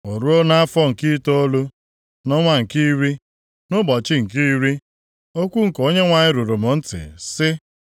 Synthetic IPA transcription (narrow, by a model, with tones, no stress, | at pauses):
o˨ɾu˦o˦na˦a˦fɔ˦ŋ̩˨ki˦to˦o˦lu˦ | nɔ˦ŋʷa˦ŋ̩˨ki˦ɾi˦ | nʊ˦bɔ˨t͡ʃɪ˦ŋ̩˨ki˦ɾi˦ | o˦kʷu˦ŋ̩˨ko˦ɲe˦ŋʷa˨ɲɪ˦ɾu˨ɾu˨mʊ˨n̩˦tɪ̰˨sɪ˦